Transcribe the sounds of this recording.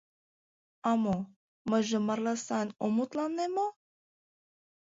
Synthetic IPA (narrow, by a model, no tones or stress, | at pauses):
ɑmo | məʒə̆mɑɾlɑsɑnomut̪lɑnːemo